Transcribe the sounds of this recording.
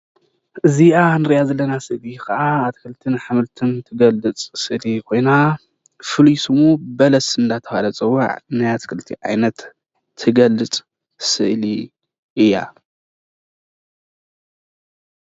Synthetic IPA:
ʔɨziʔanɨɾjazɐlːɐnasɨʔlikʰɐʔaːt̪kʰɨlt̪ʰɨnħamɨlt̪ʰɨnt̪ʰɨɡɐlːɨt͡sʼsɨʔlikʰo̞jna | fɨlujsɨmubɐlɐsɨnd̪at̪ʰɐhalɐt͡sʼɨwːa̰ʕnajat̪kʰɨlt̪ʰːiʕa̰jnɐt̪ʰː | ɨɡɐlɨt͡sʼ | sɨʔli | ʔɨjːa̰

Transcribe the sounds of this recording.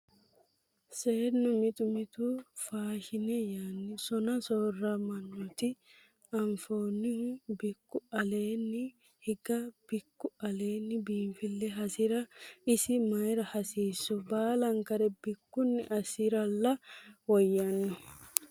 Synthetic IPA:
seːnːʊmɪt̪ʊmɪt̪ʊfaːʃɪnɛjaːnːɪsɔnɐsoːrːɐmɐnːɔt̪ɪ | ɐɱfoːnːɪbɪkːʊɐle̞ːnːɪ | hɪɡɐb̥ɪkːʊɐle̞ːnːɪbiːmfɪlːɛɦɐsɪɾɐɪsɪmɐjɾɐhɐsiːsːɔbaːlɐŋkɐɾɛbɪkːʊnːɪʔɐsɪɾɐlːɐwɔjːɐnːɔ

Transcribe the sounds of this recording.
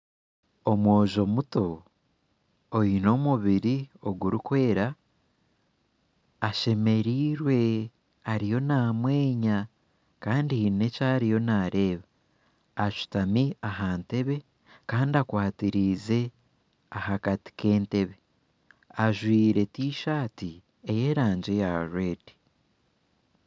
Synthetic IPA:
o̞mwo̞ːʒo̞muto̞ | ino̞muβiɾio̞ɡuɾukwe̞ːɾa | ʃe̞me̞ɾiːɾwe̞ | aɾijo̞naːmwe̞ːɲa | kaːndine̞caːɾijo̞naːɾʔe̞ːβaː | ʃu̥tamiaɦante̞βe̞ | kaːndiakwaːtiɾize̞ | ahakati̥ke̞ːnte̞βe̞ | aʒwiːɾe̞tiːʃaːti | e̞je̞ɾaːɲɟe̞jaɾwe̞ːdi̥

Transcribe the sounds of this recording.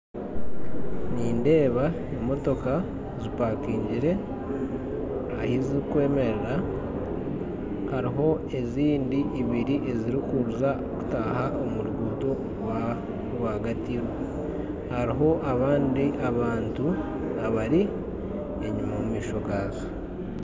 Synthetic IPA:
niːnde̞ːβa | emo̞to̞ka | zipakiːɲɟiɾe̞ | ahizikwe̞ːme̞ɾeɾa | haɾiɦo̞ | e̞ziːndiːβiɾiʔe̞ziɾikuɾuzaoku̥taːhaʔomuɾuɡuːto̞ | wa | ɡwaɡatiɾwe | haɾiɦo̞ʔaβaːndiʔaβaːntu | aβaɾi | eɲumamumiːʃo̞ɡaːzo

